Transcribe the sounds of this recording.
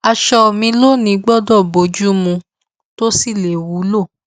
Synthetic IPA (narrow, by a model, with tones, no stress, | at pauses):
a˧ʃɔ˧˨mĩ˧lo˦nĩ˧ɡ͡bɔ˦dɔ˦˨bo˨˦d͡ʒu˦mũ˧ | to˦si˦˨le˨wu˨˦lo˦˨